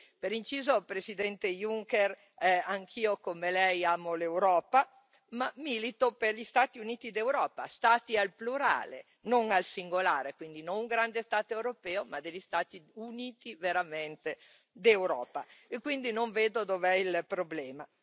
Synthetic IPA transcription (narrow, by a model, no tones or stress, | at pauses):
peɾint͡ʃiːzopɾesid̪ɛnt̪ejuŋkeɾ | ɛaŋkʰiːokomelɛjaːmolewɾɔːpa | mamilit̪operʎist̪aːt̪iuniːt̪id̪ewɾɔːpa̰st̪aːt̪ialpluɾa̰ːlḛ | noŋalsiŋɡolaːɾekwind̪inõŋuŋɡɾand̪est̪aːt̪oewɾopɛːomad̪eʎːist̪aːt̪iuniːt̪iveɾamɛnt̪e | d̪ewɾɔ̰ːpaekwind̪inoɱveːd̪od̪ovɛilpɾoblɛːma